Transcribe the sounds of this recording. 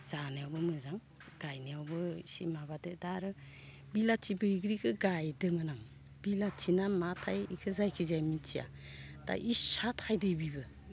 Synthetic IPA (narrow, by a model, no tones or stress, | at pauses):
z̥aneawbɯmɯzaŋ | ɡ̥ajneawbɯsimabadɯdaɾɯ | bilatʰibɯiɡɾikʰɯɡajdɯmɯnaŋ | bilatʰinamatʰajḭkʰɯzajkʰizajmitʰija̰ | d̥a̰ʔisatʰajdɯbibɯ